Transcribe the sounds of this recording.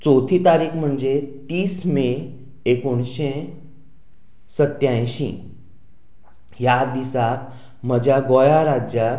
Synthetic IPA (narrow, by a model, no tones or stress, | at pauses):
t͡sot̪ʰĩt̪aɾiːkʰm̤əɳd͡zet̪iːsme | ekoɳɕe | sət̪jãjɕḭ̃ | jad̪isak̪ | m̤əd͡ʑjaɡojaɾad͡ʑa